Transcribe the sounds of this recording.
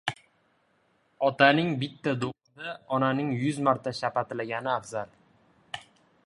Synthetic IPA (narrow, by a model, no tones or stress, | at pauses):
ɒt̪ʰanɪŋbɪt̪ʰːad̪oʁɨd̪aɒnanɪŋjʊzmaɾt̪ʰaʃapat̪ʰɪlaɡʲanɪafz̥al